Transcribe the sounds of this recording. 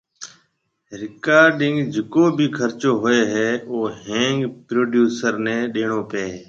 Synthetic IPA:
ɾɪkaːɾɖɪŋɡd͡ʒɪkoːbʱiːkʰəɾt͡ʃoːɦoːeːɦɛːoːɦẽːŋɡpɾoːɖjuːsəɾnẽːɗeːɳoːpeː

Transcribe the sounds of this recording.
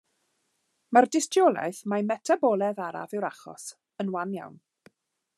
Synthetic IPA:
mardɪstjɔlˠa̰jθmajmɛtʰabɔlˠɛðaɾa̰vɨwɾaχɔ̰s | ənwanja̰wn

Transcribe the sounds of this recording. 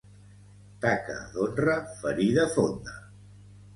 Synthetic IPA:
t̪akə̰ðonrəfəɾiðəfond̪ə

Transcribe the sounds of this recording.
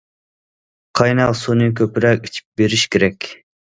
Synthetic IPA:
qʰɑjnɑlˠsunɨkʲʰøpɾɛkʲi̥t͡ʃʰi̥p̚beɾiʃkʲeɾɛkʲ

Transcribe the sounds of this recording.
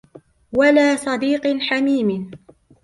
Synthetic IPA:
walaːsˤɑd̪iːqħamiːm

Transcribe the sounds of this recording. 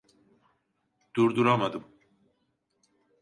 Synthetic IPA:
d̪̥uɾd̪uɾamad̪ɯm

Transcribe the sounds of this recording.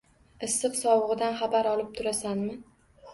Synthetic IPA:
ɨsːɨqsɒwʁɨd̪anχabaɾɒlˠɪp̚t̪ʰʊɾasanmɪ

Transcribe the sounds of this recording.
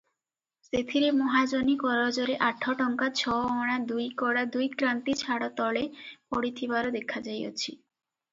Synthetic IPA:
sit̪ʰiɾemɔɦad͡ʑonikɔɾod͡ʑoɾeʔaʈʰːɔʈɔŋkat͡ɕʰɔɔɽ̃ad̪ujkɔɽad̪ujkɾant̪it͡ɕʰaɽɔt̪ɔlepoɽit̪ʰibaɾod̪ekʰad͡ʑajo̰t͡ɕʰi

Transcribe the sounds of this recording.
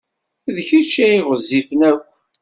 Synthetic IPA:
ðçit͡ʃːæiʁəzːifnækʷː

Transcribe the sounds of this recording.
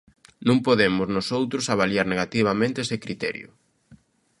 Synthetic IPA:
nũŋpoðemʊznosowt̪ɾʊsaβ̞aljaɾneɣat̪iβamẽnt̪eesekɾit̪ɛ̰ɾjʊ̰

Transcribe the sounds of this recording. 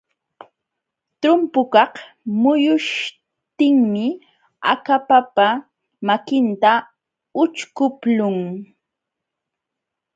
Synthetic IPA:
t̪ʊmpʊkɑq | mʊjʊʃ | t̪ɪŋmɪ | a̰kapapa | makɪnt̪a | ʊt͡ʃkʊplʊŋ

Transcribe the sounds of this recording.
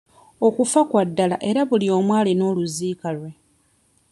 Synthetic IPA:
o̞kufakwadːala̰ʔe̞ɾaβulio̞ːmwaːlino̞ːluziːkalwe̞

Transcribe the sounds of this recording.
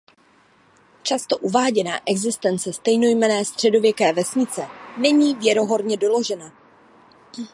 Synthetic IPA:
t͡ʃast̪o̞ʔuvaːɟɛna̰ːʔɛɡzɪst̪ɛnt͡sɛst̪ɛjno̞jmɛnɛːst̪r̝̥ɛdo̞vjɛkɛːvɛsɲɪt͡sɛnɛɲiːvjɛɾo̞ɦo̞ɾɲɛdo̞lo̞ʒɛna

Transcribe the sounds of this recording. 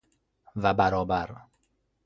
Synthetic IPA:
væbæɾɒːbæɾ

